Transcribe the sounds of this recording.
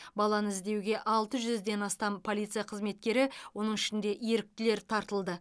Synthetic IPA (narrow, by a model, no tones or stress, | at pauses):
bɑlˠɑnəɪzd̪e̞wɡʲe̞ʔɑlˠt̪əʒʏzd̪e̞nɑst̪ɑmpʰo̞lʲˠijt̪sɨjɑqʰəzme̞t̪̚kʲe̞ɾɪwo̞nəɴɪʃɪnd̪e̞ʔjeɾɪk̚t̪ɪle̞ɾt̪ʰɑɾt̪əlˠd̪ə